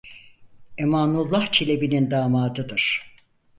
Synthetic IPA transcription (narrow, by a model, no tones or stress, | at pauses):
emaːnulˠːaht͡ʃʰelʲebinind̪aːmaːd̪ɯd̪ɯɾ̥